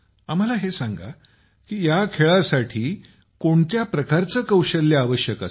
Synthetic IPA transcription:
am̤alaɦesaŋɡa̰ | kiːjakʰeɭasaʈʰiː | koɳt̪japɾəkaɾt͡səkəwɕəlːjaːʋəɕjəkə̰s

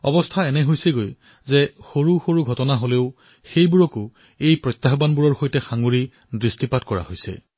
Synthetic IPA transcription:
ɔ̰bɔstʰaɛnɛɦojseɡoj | zɛxoɹuxoɹuɡʱɔtɔnaɦoleʊ | xejbuɹɔkʊ | ejpɹɔjt̪ːaɦbanbuɹɔɹxojtɛxaŋɡuɹi | dɹistipatkɔɹa̰hojsɛ̰

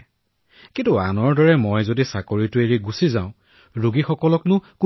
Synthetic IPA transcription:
kintʊa̰nɔɹdɔɹɛmɔjzodisakoɹitʊeɹiɡusizã̰ʊ̃ | ɹuɡixɔkɔlɔknʊku

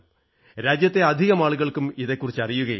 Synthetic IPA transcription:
ɾaːd͡ʑjɐt̪ːe̞ɐd̪ʱiɣɐmaːɭuɣɐɭkumiðekːurit͡ɕːɐrijuɣɐ

